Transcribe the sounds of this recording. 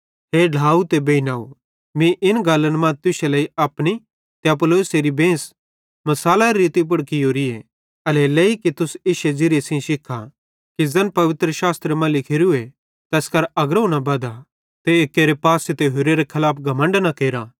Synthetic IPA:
ɦeːɖʱaːut̪ebeːinaːu | mĩʔɪnɡaːlːənmɐ̃t̪ʊʃelɐiɐpni | t̪eɐploːseɾibẽːs | mɐsaːlaɾeɾiːt̪ip̬ʊɽkijoːɾie | ɐleleːikit̪ʊseːʃed͡ʒɪɾesĩʃɪkʰːa | kid͡zɐnpɐʋɪt̪ɾəʃaːst̪ɾəmɐ̃lɪkʰɪɾue | t̪ɛːskɐɾɐɡɾɐunabɐd̪a | t̪eekːeːɾepaːset̪eɦʊɾeɾekʰɐlaːpʰɡʱɐmə̃ɳɖnakeːɾa

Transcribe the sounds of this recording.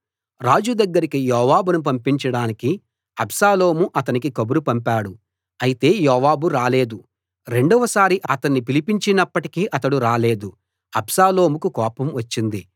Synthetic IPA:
ɾaːd͡ʒud̪ɐɡːɐɾikijɔːʋaːbunup̬ɐmpiɲt͡ʃɐɽaːniki | ɐbsaːlo̞ːmuʔɐt̪ɐnikikɐbuɾupɐmpaːɽu | ɐjit̪e̞ːjɔːʋaːbuɾaːle̞ːd̪u | ɾe̞ɳɖɔʋɐsaːɾiʔɐt̪ɐnːipilipiɲt͡ʃinɐpːɐʈikiːʔɐt̪ɐɽuɾaːle̞ːd̪u | ɐbsaːlo̞ːmukukɔːpɐmʋɐt͡ʃːind̪i

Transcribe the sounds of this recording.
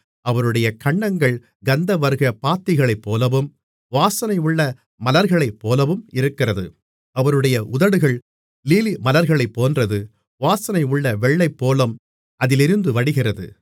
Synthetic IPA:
ɐʋɐɾɯɽɐjɐkɐɳːɐŋɡɐɭ | ɡɐnd̪ɐʋɐɾɯɣɐpaːt̪ːɪɣɐɭɐɪpːoːlɐʋɯm | ʋaːsɐnɐɪʊɭːɐ | mɐlɐɾɣɐɭɐɪpːoːlɐʋɯmɪɾɯkːɪrɐðɯ | ɐʋɐɾɯɽɐjɐʔʊðɐɽɯɣɐɭ | liːlimɐlɐɾɣɐɭɐɪpːoːndrɐðɯ | ʋaːsɐnɐɪʊɭːɐʋɛɭːɐɪpːoːlɐm | ʔɐðɪlɪɾɯnd̪ɯʋɐɽɪɣɪrɐðɯ̰

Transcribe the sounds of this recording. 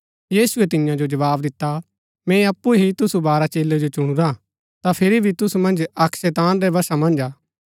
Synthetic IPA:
jiːsʊet̪ɪjãd͡ʒod͡ʒɐʋaːbd̪ɪt̪ːa | mɛ̃ɐpːuɦit̪ʊsubaːɾat͡ʃeːled͡ʒot͡ʃʊɽ̃uɾã | t̪apʰɪɾibʱit̪ʊsumɐ̃nd͡ʒɐkʰsɛːt̪aːnɾɛbɐsamɐ̃nd͡ʒaː

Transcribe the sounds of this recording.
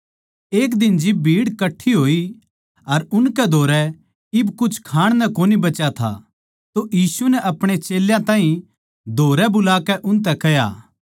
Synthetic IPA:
eːkd̪ɪnd͡ʒɪb̚bʱiːɽkɐʈʰːiɦoːi | ɐɾʊnkɛd̪ʱoːɾɛ | ɪbkʊt͡ʃʰkʰaːɽ̃nɛkoːnibɐt͡ʃat̪ʰa̰ | t̪ojiːsunɛʔɐpɽ̃et͡ʃeːljãt̪ãːɦĩ | d̪ʱoːɾɛbʊlaːkɛʔʊnt̪̬ɛkɐja̰ː

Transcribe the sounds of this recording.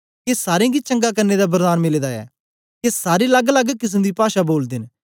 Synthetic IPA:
kesaːɾẽɡit͡ʃɐ̃ŋɡakɐɾned̪abəɾd̪aːnmɪleːd̪aɛ̰ː | kesaːɾelɐɡlɐɡkɪs̬ẽnd̪ipaːʃaboːld̪ɪn

